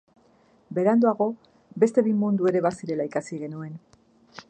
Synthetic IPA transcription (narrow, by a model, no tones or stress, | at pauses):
be̞ɾand̪oaɣo̞ | be̞st̪e̞βimund̪ue̞ɾe̞βasiɾe̞laikasiɣe̞nue̞n